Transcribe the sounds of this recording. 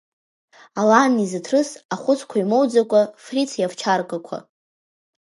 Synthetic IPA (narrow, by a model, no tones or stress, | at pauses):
alanizɨtʰrɨsaχʷʊt͡sʰkʷʰaimowd͡zakʷʼafrit͡sʰjavt͡ʃʰarkʼakʷʰa̰